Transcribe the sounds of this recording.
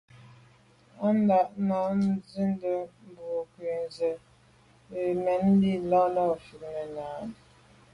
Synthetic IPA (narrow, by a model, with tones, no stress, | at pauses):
a˦n˦da˨ʔna˨˦n˦d͡zi˦n˦də˨m̩˨bo˨kwe˨n˨zə˨ | e˨mɛ˨n̩˦di˦lɔ˦lɔ˦˨fi˨k̚nə˨ɲaː˨˦